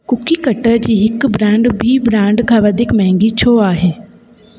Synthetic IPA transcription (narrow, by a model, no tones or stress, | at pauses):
kʊkiːkəʈːəɾd͡ʒiːɦɪkbɾãːɳɖbʱiːbɾãːɳɖkʰaːʋad̪ɪkmɛ̃ːŋɡiːt͡ʃʰoːaːɦeː